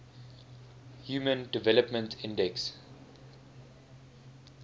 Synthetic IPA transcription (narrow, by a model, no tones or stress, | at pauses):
hjuːmə̃ndivɛləpmə̃ntʰɪ̃ndɛks